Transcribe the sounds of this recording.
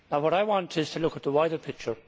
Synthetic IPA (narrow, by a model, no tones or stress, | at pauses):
naʊwɔɾaɪwɑ̃ntʰɪz̥tʰəlʊkət̪̚ðəwaɪdə˞pʰɪk̚t͡ʃə˞